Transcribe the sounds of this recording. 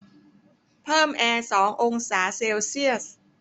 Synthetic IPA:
pʰɤː˥˩mʔɛː˧sɔː˩˦ŋʔo˧ŋsaː˩˦seː˧wsi˥˩əs

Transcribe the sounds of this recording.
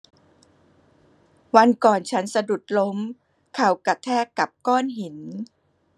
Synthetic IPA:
wa˧nkɔː˨˩nt͡ɕʰa˦˥nsa˧du˨˩t̪̚lo˦˥m | kʰa˨˩wka˨˩t̪ʰɛː˥˩kːa˨˩p̚kɔː˥˩nɦi˩˦n

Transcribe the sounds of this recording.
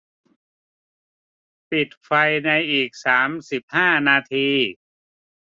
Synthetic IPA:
pi˨˩t̪̚fa˧jna˧jʔiː˨˩k̚saː˩˦msi˨˩p̚haː˥˩naː˧t̪ʰiː˧

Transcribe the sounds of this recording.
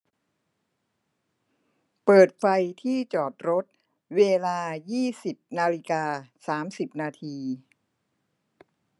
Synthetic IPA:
pɤː˨˩t̪̚fa˧jt̪ʰiː˥˩t͡ɕɔː˨˩t̪̚ɾo˦˥t̪̚ | weː˧laː˧jiː˥˩si˨˩p̚naː˧li˦˧˥kaː˧saː˩˦msi˨˩p̚naː˧t̪ʰiː˧

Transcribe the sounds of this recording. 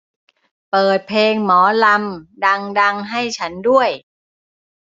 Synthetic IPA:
pɤː˨˩t̪̚pʰleː˧ŋmɔː˩˦la˧mda˧ŋda˧ŋɦa˥˩jt͡ɕʰa˦˥ndu˥˩əj

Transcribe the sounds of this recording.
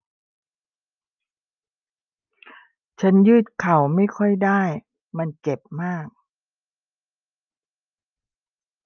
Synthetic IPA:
t͡ɕʰa˦˥njɯː˥˩t̪̚kʰa˨˩wma˥˩jkʰɔ˥˩jdaː˥˩j | ma˧nt͡ɕe˨˩p̚maː˥˩k̚

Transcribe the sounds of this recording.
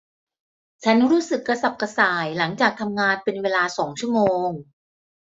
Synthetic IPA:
t͡ɕʰa˦˥nɾuː˦˥sɯ˨˩kːɾa˧sa˨˩p̚ka˧saː˨˩jla˩˦ŋt͡ɕaː˨˩k̚t̪ʰa˧mŋaː˧npe˧nweː˧laː˧sɔː˩˦ŋt͡ɕʰu˥˩əmoː˧ŋ

